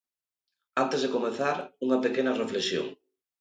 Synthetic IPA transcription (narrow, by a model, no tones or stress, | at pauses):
ant̪ezðekomeθaɾuŋɐpekenɐrefleksjo̰ŋ